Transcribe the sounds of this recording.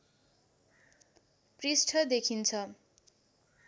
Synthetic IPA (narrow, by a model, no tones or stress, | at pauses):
prisʈʰʌd̪ekʰint͡sʰʌ